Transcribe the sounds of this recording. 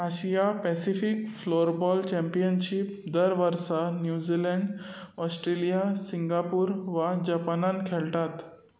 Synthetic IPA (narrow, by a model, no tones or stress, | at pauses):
aɕijapɛsifikfloɾbɔlt͡ɕɛmpijənɕip̚d̪əɾʋəɾsanjud͡ʑilɛɳɖ | ɔsʈɾelijasiŋɡapuːɾʋad͡ʑapanankʰɛɭʈ̪at̪